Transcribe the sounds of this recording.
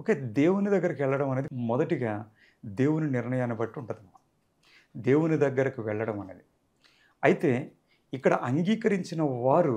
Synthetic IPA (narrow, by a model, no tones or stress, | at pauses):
oke̞ːd̪e̞ːwunid̪ɐɡːɐɾɐkiʋɛɭːɐɽɐmɐne̞ːd̪imɔd̪ɐʈiɡaː | d̪e̞ːwuniniɾɳɐjaːnibɐʈːiuɳʈɐd̪ɐmːa | d̪e̞ːwunid̪ɐɡːɐɾɐkiʋɛɭːɐɽɐmɐnḛːd̪i | ɐjit̪e̞ː | ikːɐɽɐʔɐŋɡiːkɐɾiɲt͡ʃinɐʋaːɾu